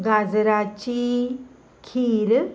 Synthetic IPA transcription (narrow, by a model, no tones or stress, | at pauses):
ɡad͡zɾat͡ɕi | kʰiɾ